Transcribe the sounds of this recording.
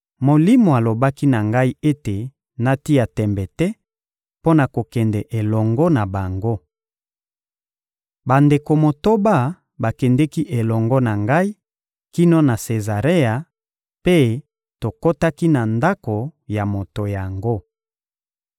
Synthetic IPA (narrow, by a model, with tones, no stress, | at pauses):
mo˨li˦mo˨a˨lo˨ba˦ki˦na˨ŋɡa˦i˦e˦te˨ | na˨ti˦a˨tɛ˨mbɛ˨tɛ˦ | po˦na˨ko˨kɛ˨ndɛ˨ʔe˨lɔ˨ŋɡɔ˦na˨ba˨ŋɡo˦ | ba˨nde˨ko˨mo˨to˦ba˦ | ba˨kɛ˨ndɛ˦ki˦ʔe˨lɔ˨ŋɡɔ˦na˨ŋɡa˦i˦ | ki˦no˦na˨se˨za˨ʁe˦a˨ | pe˦ | to˨ko˦ta˦ki˦na˨nda˦ko˨ja˨mo˨to˨ja˨ŋɡo˦